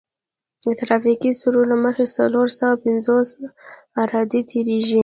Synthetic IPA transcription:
d̪ət̪ɾɑfikisuɾolaməxesaloɾsawapɪnzos | aɾɑd̪it̪ʰeɾeʒi

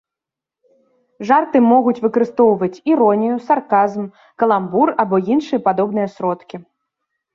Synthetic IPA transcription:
ʐart̪ɨmɔɣut͡sʲvɨkɐɾɨst̪ɔwvɐt͡sʲiɾɔnʲijusarkazm | kɐlˠamburabɔinʂɨjɐpad̪ɔbnɨjɐsɾɔt̪kʲi

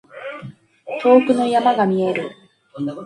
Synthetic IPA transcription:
t̪o̞ːkɯ̟no̞jamaɡamʲie̞ɾɯ̟

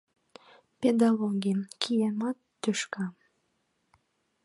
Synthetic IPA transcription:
ped̪ɑloɡʲimkʰijemɑt̪ːyʃkɑ

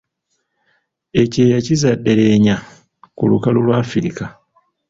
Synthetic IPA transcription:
e̞ce̞ːjacizadːe̞le̞ːɲa | kulṵkalulwaːfiɾika

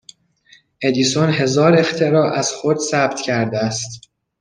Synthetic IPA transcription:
ʔe̞d̪iːsonɦe̞zɒːɾe̞xt̪ʰe̞ɾɒːʔæz̥xod̪sæbt̪ʰcʰæɾd̪eæst̪

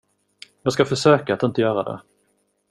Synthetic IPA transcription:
jɑːɡskafœʂøːkaːt̪ɪnt̪əjœːɾad̪ɛ̰

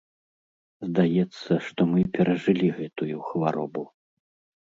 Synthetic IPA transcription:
zd̪ajɛt̪sːɐʂt̪ɔmɨpʲɛɾɐʐɨlʲiɣɛt̪ujuxvaɾɔ̰bu

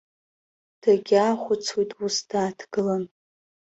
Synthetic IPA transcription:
d̥ʰaɡʲaχʷʊt͡sʰwijtʼusdʰaːtʰɡ̥ɨlam

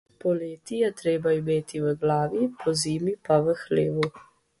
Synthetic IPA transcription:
pɔleːt̪ijɛt̪ɾeːbaimeːt̪iʋəɡlaːʋipʰɔziːmipaʋəxleːʋu

